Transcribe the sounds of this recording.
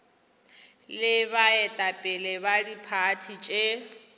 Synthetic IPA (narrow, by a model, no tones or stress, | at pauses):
lɪβaɛtʼapʼɪlɛbadipʰatʰit͡ʃʼe